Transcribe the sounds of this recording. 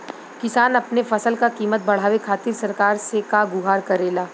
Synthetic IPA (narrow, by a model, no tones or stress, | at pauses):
kɪsaːnɐpnefɐsəlkakiːmət̪̚bɐɽ̤aːʋekʰaːt̪ɪɾsɐɾkaːɾsekaɡʊɦaːɾkɐɾeːlaː